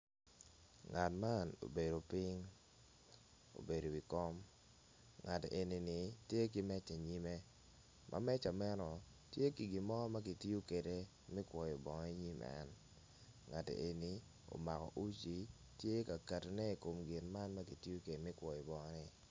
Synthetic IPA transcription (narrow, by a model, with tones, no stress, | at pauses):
ŋa˨tma˦no̰˨be˨do˨pɪ˦ŋ | o̰˨be˨ɾo˨wi˨kɔ˦m | ŋa˨te˨ʔe˨ni˨ni˨tje˦k̬i˦mɛ˦t͡ʃe˨ɲi˦me˦ | mʔa̰˨mɛ˦t͡ʃa˨mɛ˦nɔ˨ | tje˦ki˨ɡi˨mɔ˦ma˦ki˨ti˦o˦ke˨de˨ | mɪ˦kwɔ˨jɔ˨bɔ˨ŋɔ˦i˦ɲi˦mɛ̰˦n | ŋa˨tḛ˨ʔe˨ni˦ | o̰˨ma˨kɔ̰˨ʔu˦t͡ʃi˦ | tje˦ka˨ka˨tnɛ˦i˨ko˨mɡɪ˨nma˦nma˦ki˨ti˦o˦ke˨de˨mɪ˦kwɔ˨jɔ˨bɔ˨ŋɔ˦nɪ˨